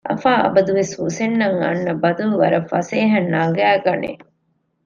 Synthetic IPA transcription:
ʔɐ̰faːʔɐ̰bɐd̪uʋesusenːɐŋɐ̰nːɐbɐd̪uluʋɐ̰ɾɐfɐseːɦɐnːaːɡæːɡɐnḛ

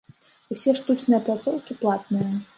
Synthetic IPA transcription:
usʲɛʂt̪ut͡ʂnɨjɐplˠat̪sɔwkʲiplˠat̪̚nɨjɐ

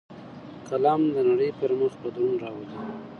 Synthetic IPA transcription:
kalɑmd̪ənaɽəjpəɾməxpəd̪ɾunɾɑwazi

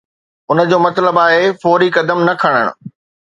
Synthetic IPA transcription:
ʊnə̆d͡ʑoːmɐt̪ləbaːɦefɔːɾikɐd̪əmnɐkʰɐɽ̃ə̰ɽ̃ʊ̰̆

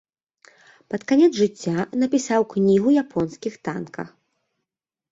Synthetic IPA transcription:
pɐt̪kanʲɛd̪zʐɨt͡sʲːanɐpʲisawknʲiɣujapʰɔnskʲixt̪a̰nkʰɐ̰x

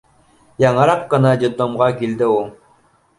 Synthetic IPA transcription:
jɑɴɤɾɑqːɤ̆nɑd̪ʲɪd̪omʁɑkild̪ɘu

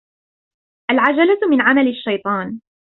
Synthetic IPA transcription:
ʔalʕad͡ʒalamɪnʕamalaʃːɑjt̪ˤɑːn

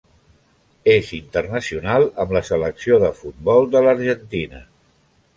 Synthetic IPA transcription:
ezint̪ərnəsiunalˠəmləsələksioðəfut̪̚bɔlˠd̪ələɾʒənt̪inə̰

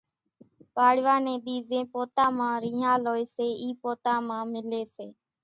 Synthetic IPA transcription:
paːɽʋaːnẽːɗ̪iːzẽːpoːt̪ãːmãːɾĩːɦãːloːeːseːiːpoːt̪ãːmãːmɪleːseː

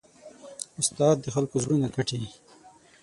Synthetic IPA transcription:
ʊst̪ɑːd̪ːəxalkozwunakʰaʈi

